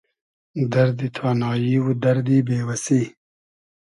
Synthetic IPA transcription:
d̪ɐɾd̪it̪ʰɑːnɑːjiwud̪ɐɾd̪ibeːwɐsi

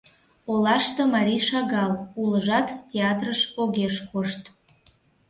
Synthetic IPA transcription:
olɑʃt̪omɑɾʲiʃɑɣɑlˠuləʒɑt̪ːʲeɑt̪rəʃoɣeʃkoʃt̪

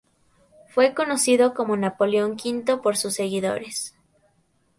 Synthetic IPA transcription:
fwe̞ko̞no̞siðo̞ko̞mo̞napo̞leoŋkint̪o̞poɾsusːe̞ɣiðo̞̰ɾes

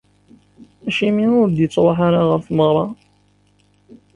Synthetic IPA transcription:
æʃimiʊɾd̪jət͡sːɾˤoħaɾaʁəɾfməʁɾˤɑ

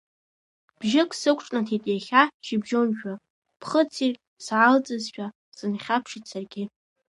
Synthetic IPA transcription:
b̥ʒɪkʼsɨkʷʈ͡ʂʼnatʰitʼjaχʲaʃɪbʒonʒᶣa | pʰχət͡sʰirkʲʼ | sʕalt͡sʼɨzʃᶣa | sɨnχʲapʰʂit͡sʰarɡʲɪ

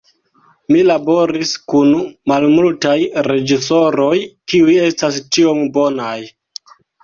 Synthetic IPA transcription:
milabo̞ɾiskunmalmultajɾe̞d͡ʒiso̞ɾo̞jkiuje̞stast͡ʃio̞mbo̞naj

